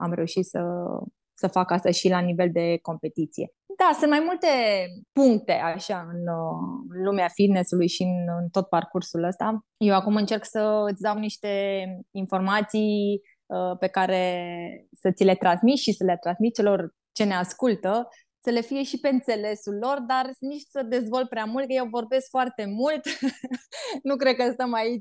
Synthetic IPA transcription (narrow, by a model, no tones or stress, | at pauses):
a̰mɾe̞uʃit̪sə̰ | səfakast̪aʃilanive̞ld̪e̞ko̞mpe̞t̪it̪sije̞̰ | d̪asɨ̃nt̪majmult̪e̞puŋkt̪e̞ʔaʃaɨn | lumeafid̪ne̞sulujʃiɨnɨnt̪o̞t̪̚parkursuləst̪ajewakumɨnt͡ʃe̞rksəɨt̪sʲd̪awniʃt̪e̞info̞rmat̪sij | əpe̞kaɾe̞ | sət̪sʲile̞t̪ɾansmit̪ʃisəlet̪ɾansmit̪̚t͡ʃe̞lo̞r | t͡ʃe̞ne̞askult̪ə | səle̞fije̞ʃipe̞ɨnt̪se̞le̞sulːo̞rd̪arniʃt̪səd̪e̞zvo̞lt̪̚pɾeamult̪kəjewvo̞rbe̞skfoart̪e̞mult̪ | nukɾe̞d̪̚kəst̪əmait͡ʃʲ